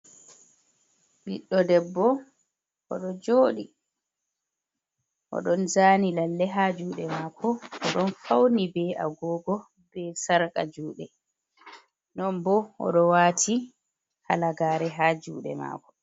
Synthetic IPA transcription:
ɓiɗːɔdɛbːɔ | ɔɗɔd͡ʒoːɗi | ʔɔ̰ɗɔnzaːnilalːɛɦad͡ʒuːɗɛmaːkʰɔʔɔɗɔnfawnibɛaɡɔːɡɔ | b̥ɛsaɾkʼad͡ʒuːɗɛ | nɔmbɔɔ̰ɗɔwaːtʰi | halaɡaːɾɛɦaːd͡ʒṵːɗɛ̰ma̰ːkɔ̥

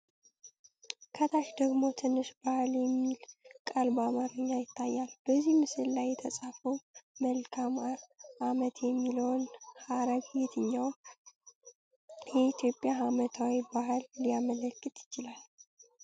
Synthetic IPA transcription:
kʰət̪ʰaʃd̪əɡmo̞t̪ʰɨnːɨʃbahljɛmːilkʼalbamaɾɨɲːajɪt̪ʰːajːalb̥əzːihmɨsɨlːajːɛt̪ʰəsʼafəwməlkʰamaʔamət̪ʰjɛmːiləwnhaɾəɡjɛt̪ʰɨɲːawn | jɛit̪ʰjo̞pʼjahamət̪ʰawibahɨlːiamələkʼːɨt̪jɪ̥t͡ʃɪlal

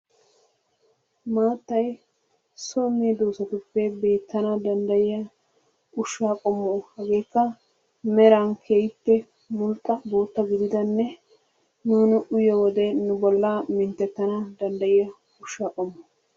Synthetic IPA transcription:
maːt̪ːɐj | sɔmːid̪oːsɐt̪ʊpːɛbe̞ːt̪ːɐnaːd̪ɐnd̪ɐjɪjɐ | ʊʃːaːkʼɔmːʊʔʊhɐɡe̞ːkːɐ | mɛɾaːnkʰejɪpːɛ | mʊlt̪ʼːɐbo̞ːt̪ːɐɡɪd̪ɪd̪ɐnːɛ | nuːnʊʔʊjɐwɔd̪ɛnʊbɔlːaːmɪnt̪ːɛt̪ːɐnaːd̪ɐnd̪ɐjɪjɐ | ʊʃːaːkʼɔmːʊʊ

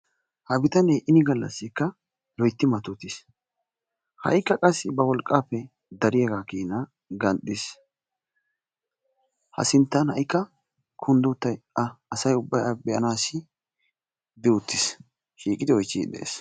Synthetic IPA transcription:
hɐbɪt̪ɐneʔɪnɪɡɐlːɐ̰sːɪkːɐ | lɔjt̪ːɪmɐt̪ʊt̪ːɪs | hɐ̰jkːɐkʼɐsːɪbɐwɔlkʼːaːpːɛ | d̪ɐɾɪjaɡaːkiːnɐ | ɡɐnɗ̪ɪs | hɐ̰sɪnt̪ːɐnhɐjkːɐ | kʰʊnd̪ʊt̪ːɐjɐɐsɐjʊbːɐjabɛʔɐnaːsɪ | d̪ɪʊt̪ːɪs | ʃiːkʼːɪd̪ɪɔjt͡ʃːḭd̪ɛ̰ḛːs

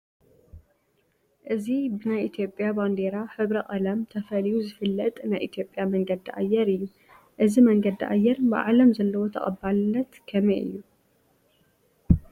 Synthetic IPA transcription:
ʔɨzibɨnajʔit̪ʰjo̞pʼjaband̪eɾaħɨβɾɐkʼɐlɐmt̪ʰɐfɐlijuzɨfɨlːɐt̪ʼnajʔit̪ʰjo̞pʼjamɐŋɡɐd̪iʔa̰jːɛɾɨjːu | ʔɨzimɐŋɡɐd̪iʔa̰jːɛɾbɨʔalɐmzɐlːɐwo̞t̪ʰɐ̰kʼɐbːalɨnːɐt̪kʰɐmeʔɨ̰jːu

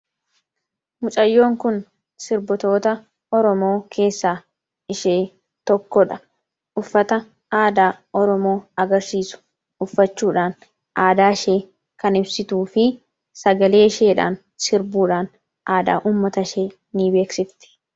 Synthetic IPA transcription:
mʊt͡ʃʼɐjːo̞ːŋkʊn | sɪɾbɔt̪o̞ːt̪ɐ | ɔɾɔmo̞ːkʰe̞ːsːaː | ɪʃeː | t̪ɔkːɔᶑɐ | ʔʊfːɐt̪ɐ | aːd̪aːʔɔɾɔmo̞ːɐɡɐɾsiːsʊ̥ | ʊfːɐt͡ʃːuːᶑaːn | ʔaːd̪aːʃe̞ː | kɐnɪbsɪt̪uːfɪ | sɐɡɐle̞ːɪʃe̞ːᶑa̰ːn | sɪɾbuːᶑaːn | ʔaːd̪a̰ːʔuːmːɐt̪ɐʃe̞ː | nɪbe̞ːksɪft̪ɪ̥

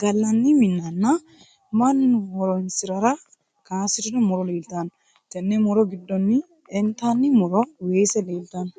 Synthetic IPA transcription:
ɡɐlːɐnːɪmɪnːɐnːɐ | mɐnwɔɾɔnsɪɾɐɾɐ | kaːsɪt̪ɪd̪ɔmɔɾɔleːlt̪ɐn | t̪ɛnːɛmɔɾɔɡɪd̪ːɔnːɪ | ɛnt̪anːɪmɔɾɔweːsɛleːlt̪ɐn

